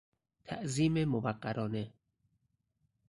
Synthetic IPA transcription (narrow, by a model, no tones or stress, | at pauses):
t̪ʰæ̰ʔziːmemobæɢːæɾʔɒːne